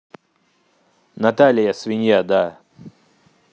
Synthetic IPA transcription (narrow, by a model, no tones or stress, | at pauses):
nɐt̪alʲɪjasvʲɪnʲjad̪a